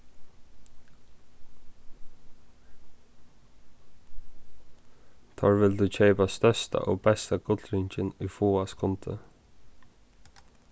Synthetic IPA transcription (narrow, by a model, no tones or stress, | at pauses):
t̪ʰɔ̰ːɹʋɪld̪ʉːcʰeɪpast̪œst̪a̰ʔɔːbɛst̪aɡʊt̪lɾɪɲt͡ʃɪnʏjfuːaskʰʊnt̪ə̰